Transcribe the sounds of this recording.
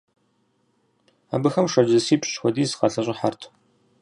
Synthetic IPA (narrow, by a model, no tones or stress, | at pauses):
a̰ːbɨxɐmʂʷɐd͡ʒɐsiːpɕʼɕxʷɔdiːzɨqɐɬɐɕʼɪħartʰ